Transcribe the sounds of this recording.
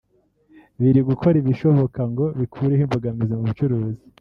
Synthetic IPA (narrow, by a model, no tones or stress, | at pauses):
βiɾiɡukʰo̞ɾiβiʃo̞βo̞kaŋɡo̞βikʰuːɾehiɱvoɡamizimuβut͡ʃuɾuːzi